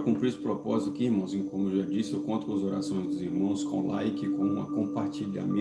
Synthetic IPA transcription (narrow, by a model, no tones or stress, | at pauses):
kũpɾiesʊ̥pɾopɔzit̪ʊ̥kɪiɾmɐ̃w̃zikõmʊewʒad͡ʒisɪewkõnt̪ʊkõɐzoɾa̰sõj̃zd̪ʊziɾmɐ̃w̃skõ̰lajkɪkõũmɐ̰kõpaɾt͡ʃiʎa̰mẽ